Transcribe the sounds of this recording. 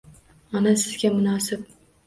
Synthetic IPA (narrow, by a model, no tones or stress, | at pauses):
ɒnasɪzɡʲamʊnɒːsɪp̚